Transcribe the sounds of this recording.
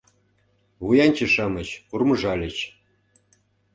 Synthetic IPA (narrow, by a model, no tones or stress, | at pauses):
βujɑnʲt͡ɕə̆ʃɑmə̆t͡ɕkurmɤ̆ʐɑlʲə̆t͡ɕ